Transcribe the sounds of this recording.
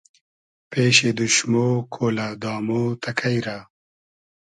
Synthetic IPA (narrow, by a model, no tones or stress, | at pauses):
peːɕed̪uʃmoːkʰoːlad̪ɑːmot̪ʰɐkʰɐjɾa